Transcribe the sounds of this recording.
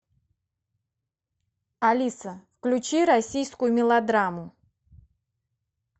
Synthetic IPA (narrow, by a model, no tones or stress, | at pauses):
ɐlʲisəfklʲut͡ɕiɾɐsʲijskʊjʊmʲɪlˠɐd̪ɾamʊ